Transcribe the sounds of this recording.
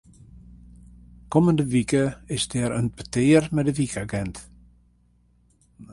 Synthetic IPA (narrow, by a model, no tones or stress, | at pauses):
kɔməndəʋikəɪsdɛɾənpətɪːrmɛdəʋikʰaɡɛnt